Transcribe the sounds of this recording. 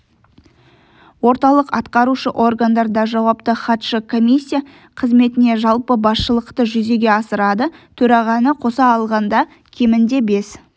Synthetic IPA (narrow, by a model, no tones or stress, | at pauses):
wo̞ɾt̪ɑlˠəqɑt̪qɑɾuʃəʔo̞rɡand̪ɑɾd̪ɑʒɑwɑp̚t̪əχɑt̪ʃəkʰo̞mʲisʲːija | qʰəzme̞t̪ɪne̞ʒɑlˠpəbɑsʃəlˠəqt̪əʒʏze̞ɡʲe̞ɑsəɾɑd̪ət̪ʰɵɾɑʁɑnəqʰo̞sɑːlˠʁɑnd̪ɑ | kʲʰe̞mɪnd̪e̞be̞s